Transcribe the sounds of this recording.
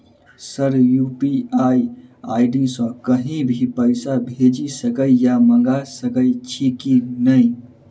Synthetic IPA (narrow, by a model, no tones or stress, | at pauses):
səɾjupiaja̰ɪɖisɔ̃kəɦĩbʱipəɪsabʱed͡ʒisəkəijamə̃ŋɡasəkəit͡ʃʰikinəĩ